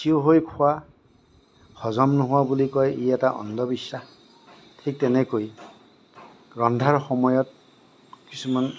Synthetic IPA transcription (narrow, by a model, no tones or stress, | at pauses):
sioɦojkʰʊwa | xɔzɔmnɔɦʊwabulikɔjiɛtaʔɔ̰ndɔbisa | tʰik̚tɛnɛkoj | ɹɔndʱaɹxɔmɔjɔt̚ | kisuman